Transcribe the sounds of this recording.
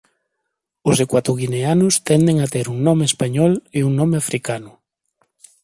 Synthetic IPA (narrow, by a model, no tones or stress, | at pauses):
ʊzekwat̪oɣineanʊst̪ɛnd̪eŋat̪eɾuŋnɔmeːspaɲɔleuŋnɔ̃meafɾʔikanʊ